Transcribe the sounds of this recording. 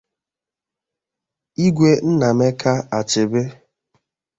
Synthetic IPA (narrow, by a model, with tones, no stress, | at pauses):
i˦ɡʷe˦n̩˦na˨me˦kʰa˦a˨t͡ʃɪ˨be˦